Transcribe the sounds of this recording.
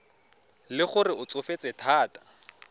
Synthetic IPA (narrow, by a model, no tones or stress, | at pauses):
lɪχʊrɪʊt͡sʊfet͡sʼɛtʰaːtḁ